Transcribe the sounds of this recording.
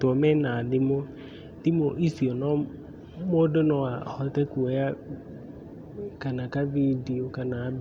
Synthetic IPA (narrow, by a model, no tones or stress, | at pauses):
tʊɔmɛnadɪmo | tɪmoʔisiɔnɔ̃ | modʊnɔ̃ahɔtɛkuɔja | kanakavidiokanab